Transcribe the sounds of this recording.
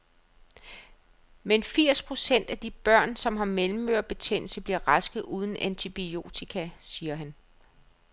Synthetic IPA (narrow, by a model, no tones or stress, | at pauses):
menfiɐ̰spʰʁo̝sen̰d̥æd̥ib̥ɶɐ̰nsɒ̽mɦɑ̈melm̩ːøɐb̥e̝t͡sʰen̰l̩səb̥liɐʁɑsɡ̥ð̩ˠuːð̞ˠn̩ʔænt͡sʰib̥io̝̰ːt͡sʰikʰæsiːɐɦæn